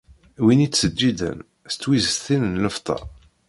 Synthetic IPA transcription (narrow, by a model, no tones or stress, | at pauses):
winit͡sːsəd͡ʒːid̪ə̰n | st͡sːwizəst̪inənləft̪ˤɑ̰